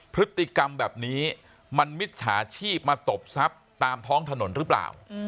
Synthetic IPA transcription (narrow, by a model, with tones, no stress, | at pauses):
pʰɾɯ˦˥t̪ːi˨˩ka˧mbɛː˨˩p̚niː˦˥ | ma˧nmi˦˥t̪̚t͡ɕʰa̰ː˩˦t͡ɕʰiː˥˩p̚maː˧t̪o˨˩p̚sa˦˥p̚t̪aː˧mt̪ʰɔː˦˥ŋt̪ʰa˧no˩˦nɾɯː˦˥pla̰ː˨˩w